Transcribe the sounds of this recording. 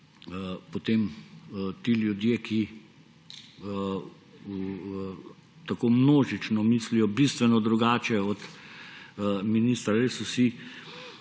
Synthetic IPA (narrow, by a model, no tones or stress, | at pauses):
pot̪em | t̪iːljud̪jeːkʰi | t̪akoːmnoːʒit͡ʃnɔmislijɔbist̪ʋɛnɔd̪ɾuɡaːt͡ʃɛɔt̪ | minist̪ɾaɾesɔsi